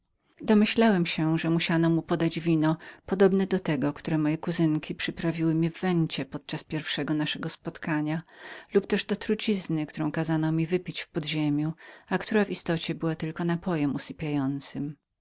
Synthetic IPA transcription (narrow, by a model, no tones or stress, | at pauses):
d̪ɔmɘɕlawɛmɕɛʐɛmuɕanɔmupɔd̪ad͡ʑvʲinɔpɔd̪ɔbnɛd̪ɔt̪ɛɡɔkt̪uɾɛmɔjɛkuzɘŋkʲipʂɘpɾavʲiwɘmʲivːɛɲt͡ɕɛpɔt̪̚t͡ʂaspʲjɛɾfʂɛɡɔnaʂɛɡɔspɔt̪kʰaɲalupt̪ɛʐd̪ɔt̪ɾut͡ɕiznɘkt̪uɾɔ̃w̃kazanɔmʲivɘpʲit͡ɕfpɔd̪ʑemʲjuakt̪uɾavist̪ɔt͡ɕɛbɘwat̪ɘlkɔnapɔjɛmusɘpʲjajɔnt̪sɘm